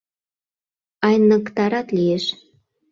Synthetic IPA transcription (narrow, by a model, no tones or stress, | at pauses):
ɑjnəkt̪ɑɾɑt̪lieʃ